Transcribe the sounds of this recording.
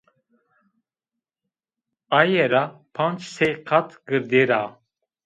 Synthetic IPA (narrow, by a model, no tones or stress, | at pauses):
ajɛɾapʰant͡ʃsɛqʰat̪ʰɡəɾd̪ɛɾa